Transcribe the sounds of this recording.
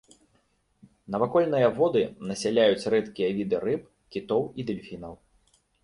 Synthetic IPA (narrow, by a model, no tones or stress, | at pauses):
nɐvakɔlʲnɨjɐvɔd̪ɨnɐsʲalʲajut͡sʲrɛt̪kʲijɐvʲid̪ɨrɨp̚ | kʲit̪ɔwid̪ɨlʲfʲinɐw